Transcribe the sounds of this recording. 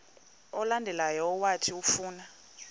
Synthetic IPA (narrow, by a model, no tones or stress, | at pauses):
ɔlandʱɛlajɔːwatʰiufuːna